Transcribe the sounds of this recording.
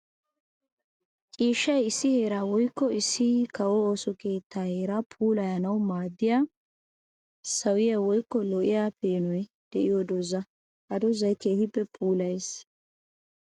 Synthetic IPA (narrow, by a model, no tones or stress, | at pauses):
t͡ʃʼiːʃːɐjɪsːɪheːɾaːwɔjkːɔɪsːɪkɐwooːsɔke̞ːt̪ːaːheːɾapʰuːlɐjɐnɐwmaːd̪ːɪjaː | sɐwɪjawɔjkːɔlɔʔɪjaːpeːnɔj | d̪̥ɛʔɪjod̪ɔzɐ | ʔɐd̪ɔzɐjkeːhɪpːɛpʰuːlɐjs